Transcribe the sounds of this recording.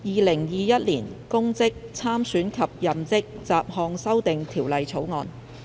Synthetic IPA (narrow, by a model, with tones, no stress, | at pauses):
jiː˨˧lɪ˨˩ŋjiː˨˧jɐ˦˥t̚liː˨˩nkʊ˥ŋt͡sɪ˥k̚t͡sʰaː˥msyː˨˥nkʰɐ˨p̚jɐ˨mt͡sɪ˥k̚t͡saː˨p̚hɔː˧ŋsɐ˥wt̪ɪ˨ŋt̪ʰiː˨˩wlɐ˨jt͡sʰo˨˥wŋɔː˨˧n